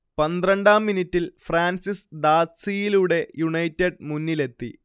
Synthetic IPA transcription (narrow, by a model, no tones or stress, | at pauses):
pɐnd̪rɐɳɖaːmːinitːilfraːnsisd̪aːsijiluɽe̞juɳɐjtːeɖmunːile̞t̪ːḭ